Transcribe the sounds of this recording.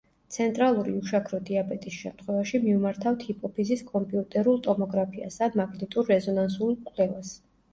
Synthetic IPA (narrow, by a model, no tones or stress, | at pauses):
t̪sʰɛnt̪ʼɾalˠuɾḭuʃakʰɾɔd̪iabɛt̪ʼisʃɛmt̪ʰχwɛvaʃimiumaɾt̪ʰaft̪ʰhipʼɔpʰiziskʼɔmpʼiut̪ʼɛɾulˠt̪ʼɔmɔɡɾapʰia̰sanmaɡnit̪ʼuɾːɛzɔnansulˠkʼlɛvas